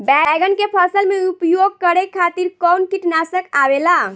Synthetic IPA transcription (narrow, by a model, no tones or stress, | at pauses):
bɛɡənkepʰəsəlmeupjoɡ̚kəɾekʰːat̪iɾkɔwnt̪ʰiʈnasəkabela